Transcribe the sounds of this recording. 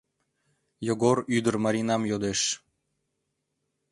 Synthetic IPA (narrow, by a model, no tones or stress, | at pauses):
joɡoɾyd̪ə̆rmɑɾʲinɑmjod̪eʃ